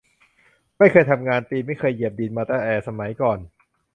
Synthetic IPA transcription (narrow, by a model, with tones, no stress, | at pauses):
ma˥˩jkʰɤː˧jt̪ʰa˧mŋaː˧nt̪iː˧ma˥˩jkʰɤː˧jːi˨˩p̚diː˧nmaː˧t̪aː˧˩ʔɛː˨˧˩sa˧ma˩˦jkɔː˨˩n